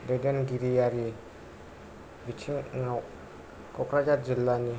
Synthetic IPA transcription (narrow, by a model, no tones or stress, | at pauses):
dadanɡiɾijaɾi | bit͡ʃiŋŋa | kɔkɾad͡ʒat̪̚d͡ʒəlːani